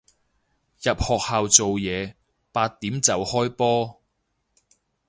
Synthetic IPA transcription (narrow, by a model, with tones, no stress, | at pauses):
jɐ˨p̚hɔː˨k̚haː˨wt͡so˨wjɛː˨˧ | paː˧t̪̚ːiː˨˥mt͡sɐ˨whɔː˥jpɔː˥